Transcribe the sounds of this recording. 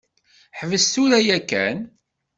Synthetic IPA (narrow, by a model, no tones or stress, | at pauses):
ħəvəst̪uɾæjækːæ̰n